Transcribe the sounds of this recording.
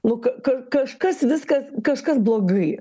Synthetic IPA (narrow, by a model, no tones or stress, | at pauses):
nʊkɐkɐkɐʃkɐsʋʲɪskɐskɐʃkɐsblˠoːɡɐɪ